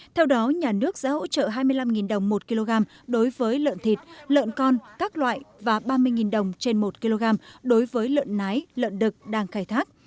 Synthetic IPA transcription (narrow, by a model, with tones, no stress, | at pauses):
t̪ʰɛ˧wɗɔ˨˦ɲaː˨˩nɨ˦˥ək̚za̰ː˧˦ho̰˧˥t͡ɕə̰ː˧˨ɦaː˧jmɨ˧əjla˧mŋi˨˩nɗə˨˩wŋ͡mmo˨˩t̚ki˧lo˧ɣaː˧m | ɗo˨˦jvəː˨˦jlə̰ː˧˨nt̪ʰi˨˩t̚lə̰ː˧˨nkɔ˧nkaː˦˥k̚lwa̰ː˧˨jvaː˨˩ɓaː˧mɨ˧əjŋi˨˩nɗə˨˩wŋ͡mt͡ɕe˧nmo˨˩t̚ki˧lo˧ɣaː˧mɗo˨˦jvəː˨˦jlə̰ː˧˨nːa˨˦jlə̰ː˧˨nɗɨ˨˩k̚ɗaː˧ŋxaː˧˩jt̪ʰaː˦˥k̚